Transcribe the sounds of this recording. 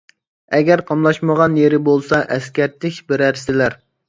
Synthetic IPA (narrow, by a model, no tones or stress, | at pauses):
ɛɡʲɛæɾqʰɑmlˠɑʃməʁɑnjeɾɪbolˠsɑʔɛskʲæɾt̪ʰɪkʲbɪɾæɾsɪlæɾ